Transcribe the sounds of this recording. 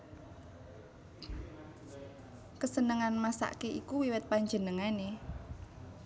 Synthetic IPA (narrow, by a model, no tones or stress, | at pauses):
kəsənəŋanmasa̰ʔkeʔikuwiwɛt̪̚paɲd͡ʒənəŋane